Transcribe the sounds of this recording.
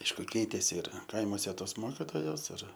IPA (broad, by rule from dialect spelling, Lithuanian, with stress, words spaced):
ˈɐɪʃkʊ ˈkʲɛɪtʲeːsʲɪ ɪr ˈkɐɪmuɔsʲɛ ˈtoːs ˈmoːkʲɪtoːjoːs ɪr